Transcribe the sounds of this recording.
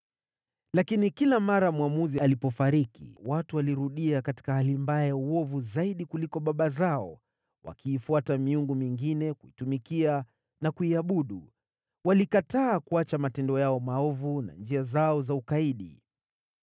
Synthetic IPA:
lakinikilamaɾamuamuzialipɔfaɾikḭwatuwaliɾuɗiakati̥kahalimbaɛjauwɔvuzaiɗikulikɔɓaɓazaɔ | wa̰kiːfuatamiuŋɡumiŋɡinɛkuitumikia | nakuiaɓuɗu | walikataːkuat͡ʃamatɛndɔjaɔmaɔvuna̰nd͡ʒiazaɔzaukaiɗḭ

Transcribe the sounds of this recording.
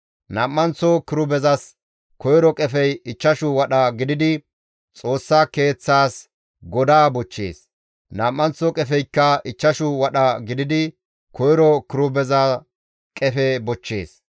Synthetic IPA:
nɐmːɐnt͡sːɔkɪɾʊbɛzɐs | kɔjɾɔkʼɛfɛjɪt͡ʃːɐʃʊwɐɗɐɡɪd̪ɪd̪ɪ | t͡sʼo̞ːsːaːke̞ːt͡sːaːs | ɡɔd̪aːbɔt͡ʃːḛːs | nɐmːɐnt͡sːɔkʼɛfɛjkːɐɪt͡ʃːɐʃʊwɐɗɐɡɪd̪ɪd̪ɪ | kʰɔjɾɔkɪɾʊbɛzɐ | kʼɛfɛbɔt͡ʃːeːs

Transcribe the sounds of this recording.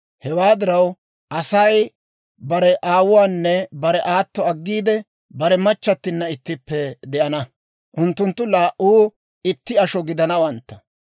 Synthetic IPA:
hɛwaːd̪ɪɾɐw | ʔɐsɐj | bɐɾɛʔaːwʊwaːnːɛbɐɾɛʔaːt̪ːɔɐɡːiːd̪ɛ | bɐɾɛmɐt͡ʃːɐt̪ːɪnːɐɪt̪ːɪpːɛd̪ɛʔɐnɐ | ʔʊnt̪ːʊnt̪ːʊlaːʔuː | ɪt̪ːɪɐʃɔɡɪd̪ɐnɐwɐnt̪ːɐ̥

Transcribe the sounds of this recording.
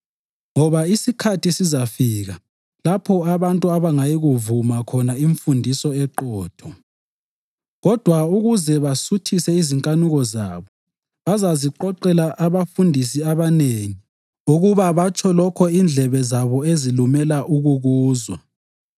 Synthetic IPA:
ŋɔβaisikʰatisizafiːɣa | lapʰɔaβantʼuaβaŋajiɣuvumakʰɔnaiɱfundʱisɔɛǃɔːtʰɔ | ɣɔd̥ʱwauɣuzɛβasutʰisɛiziŋkʼanuɣɔza̰ːβɔ | βazaziǃɔǃɛlaʔaβafundʱisiaβaneːŋi | uɣuβaβat͡ʃʰʼɔlɔkʰɔind͡ɮʱɛβɛzaβɔezilumɛlaʔuɣuɣuːzwa̰

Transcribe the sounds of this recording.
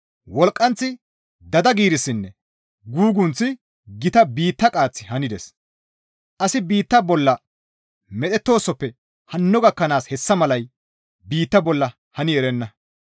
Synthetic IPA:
wɔlkʼːɐnt͡sːɪ | d̪ɐd̪ɐɡiːɾɪsːɪnːɛ | ɡuːɡʊnt͡sːɪ | ɡɪt̪ɐbiːt̪ːɐkʼaːt͡sːɪhɐnɪd̪ɛs | ʔɐsɪbiːt̪ːɐbɔlːɐ | mɛɗ̪ɛt̪ːo̞ːsːɔpːɛ | hɐnːɔɡɐkːɐnaːshɛsːɐmɐlɐj | biːt̪ːɐbɔlːɐ | hɐnɪɛɾɛnːɐ

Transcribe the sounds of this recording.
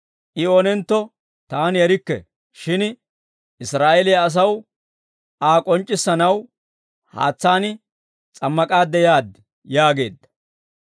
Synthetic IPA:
ʔɪoːnɛnt̪ːɔ | t̪aːnjɛɾɪkːɛ̰ | ʃɪn | ʔɪsɾaːɛlɪjɐɐs̬ɐw | aːkʼɔnt͡ʃʼːɪsːɐnɐw | ha̰ːt͡sːaːnɪ | t͡sʼɐmːɐkʼaːd̪ːɛjaːd̪ | jaːɡe̞ːd̪ːɐ̥

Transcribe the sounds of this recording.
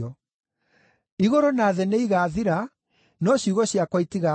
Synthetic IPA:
ɔ | iɣɔɾɔnaːðɛneiɣaːðiɾa | nɔɕuɣɔɕjakwaitiɣa

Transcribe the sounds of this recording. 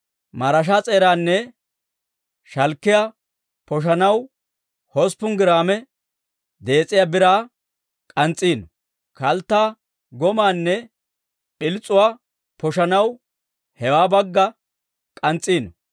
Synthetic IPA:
mɐɾɐʃ̬aːt͡sʼe̞ːɾaːnːɛ | ʃɐlkːɪja | pɔʃ̬ɐnɐw | hɔspːʊŋɡɪɾaːmɛ | d̪e̞ːt͡sʼːɪjaːbɪɾaː | kʼɐnt͡sʼiːnɔ | kɐlt̪ːaː | ɡɔmaːnːɛ | pɪlt͡sʼːʊwaː | pɔʃ̬ɐnɐw | hɛwaːbɐɡːɐ | kʼɐnt͡sʼːiːnɔ

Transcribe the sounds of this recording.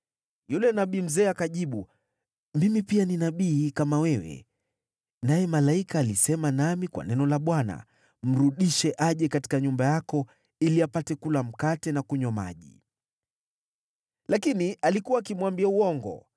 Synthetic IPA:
julɛnaɓiːm̩zɛːakaʄiɓu | mimipianinaɓiːkamawɛwɛ̰ | najɛmalaikaːlisɛmanamikwa̰nɛnɔlaɓwana̰ | m̩ɾuɗiʃɛʔaʄɛkati̥kaɲumbajakɔ | iliapatɛkulam̩katɛnakuɲɔma̰ʄḭ | lakinialikuwaːkimwambiauɔŋɡɔ̰

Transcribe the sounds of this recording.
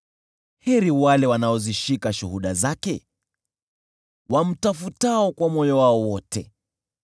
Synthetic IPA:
hɛɾiwalɛwanaɔziʃikaʃuhuɗazakɛ | wam̩tafutaɔkwamɔjɔwaɔwɔtɛ

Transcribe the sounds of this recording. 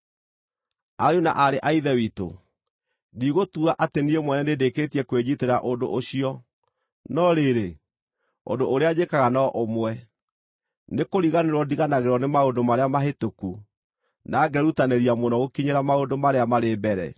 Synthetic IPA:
aɾjona̰ʔaɾeʔaiðɛwito̰ | diɣotuaʔateniemwɛnɛnedeketiɛkweɲiteɾaʔondo̰ʔoɕiɔ | nɔɾeɾe | o̰ndoʔoɾead͡ʑekaɣanɔʔomwɛ | nekoɾiɣaneɾwɔdiɣanaɣeɾɔnemaondomaɾeamaɦetoku | naɡɛɾutaneɾiamonɔɣokiɲeɾamaondomaɾeamaɾeːbɛɾɛ̰

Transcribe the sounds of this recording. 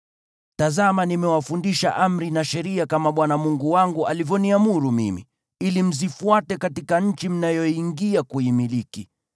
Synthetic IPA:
tazamanimɛwafundiʃa̰ʔam̩ɾinaʃɛɾiakamaɓwanamuŋɡuwaŋɡuʔalivjɔniamuɾumḭmḭ | ilim̩zifuatɛkatikaɲ̩t͡ʃim̩najɔiŋɡiakuimiliki

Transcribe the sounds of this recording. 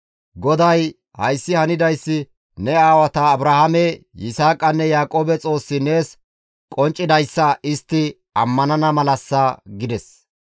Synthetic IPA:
ɡɔd̪ɐj | hɐjsːɪhɐnɪd̪ɐjsːɪ | nɛaːwɐt̪ɐːbɾɐhɐmɛ | jɪsaːkʼːɐnːɛjaːkʼo̞ːbɛt͡sʼo̞ːsːɪne̞ːs | kʼɔnt͡ʃʼːɪd̪ɐjsːɐʔɪst̪ːɪ | ɐmːɐnɐnɐmɐlɐsːɐɡɪd̪ɛs

